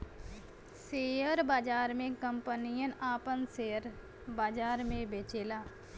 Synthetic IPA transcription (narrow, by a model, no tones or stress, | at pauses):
seːəɾbaːd͡ʒaːɾmẽkəmpənijənaːpənseːəɾ | baːd͡ʒaːɾmẽbeːt͡ʃeːlaː